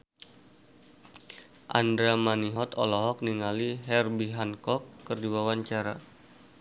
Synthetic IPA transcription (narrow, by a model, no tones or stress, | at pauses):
ʔa̰nd̪ɾamaniɦɔt̪ɔlɔɦɔk̚niŋaliɦɛrbiɦankɔkːərdiwawaɲt͡ʃaɾa̰